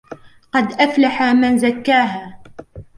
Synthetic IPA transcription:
qɑd̪ʔaflaħamanzakːaːɦaː

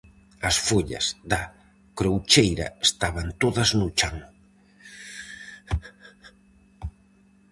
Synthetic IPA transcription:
ɐsfuʎɐ̰sd̪a | kɾowt͡ʃejɾɐ̰est̪aβant̪oðɐznut͡ʃaŋ

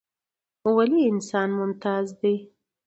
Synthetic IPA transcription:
waliɪnsɑnmʊmt̪ɑzd̪e

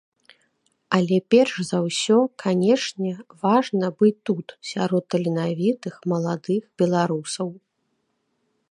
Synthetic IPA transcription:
ɐlʲɛpʲɛrʂzɐwsʲɔkʰanʲɛʂnʲɛvaʐnɐbɨt̪ːut̪sʲaɾɔt̪ːɐlʲinavʲit̪ɨxmɐlˠad̪ɨxbʲɛlˠaɾusɐw

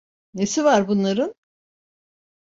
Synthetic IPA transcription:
nesivaɾbunlˠaɾɯn

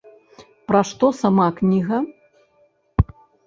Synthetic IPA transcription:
pɾɐʂt̪ɔsamaknʲiɣɐ

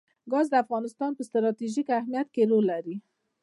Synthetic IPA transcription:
ɡɑzd̪əafɣɑnɪst̪ɑnpəst̪ɾɑt̪iʒikahmijat̪̚keɾolːaɾi

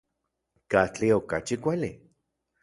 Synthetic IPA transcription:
kat͡ɬiokat͡ʃikʷali

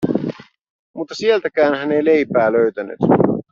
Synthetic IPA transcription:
mut̪ːɑsielt̪ækæːnɦæne̞jle̞jpæːløɥt̪æny̰t̪

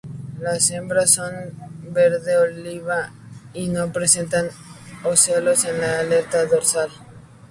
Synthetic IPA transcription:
lase̞mbɾaso̞nbe̞ɾðeoliβa | ino̞pɾe̞se̞nt̪anoselo̞se̞nlaːle̞ɾt̪aðo̞ɾsal

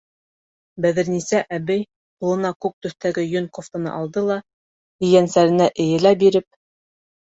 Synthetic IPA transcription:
bæðɘ̆ɾnisæʔæbɘj | qulˠɤ̆nɑkuk̚t̪ɵ̆θt̪æɡɘjɵnkoft̪ɤ̆nɤ̰ʔɑlˠd̪ɤlˠɑ | ɘ̆jænsæɾɘ̆næʔɘ̆jɘ̆læbiɾɘp̚

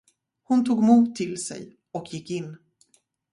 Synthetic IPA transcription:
hʊnt̪ʰuːɡmuːt̪ʰːɪlsɛ̰j | ɔkjɪkːɪnː

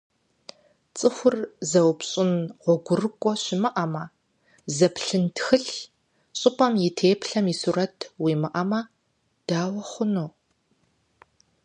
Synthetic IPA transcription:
t͡sʼɨxʷʊrzɐwpɕʼɪnʁʷɔɡʷʊrɨkʷʼɔɕɪmɨʔɐmɐ | zɐpʰɬɨntxɨɬ | ɕʼɪpʼɐmjɪtʰeːpʰɬɐmisuːɾɐtʰwiːmɨʔɐmɐ | d̥aːwɐχʷʊnoː

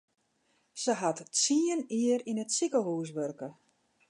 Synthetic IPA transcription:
səɦatsiəniəɾinətsikəɦuːs̬ʋørkə

